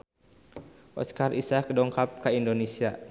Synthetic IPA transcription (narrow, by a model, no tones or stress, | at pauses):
ʔɔ̰skarʔisakədɔŋkap̚kaindonesia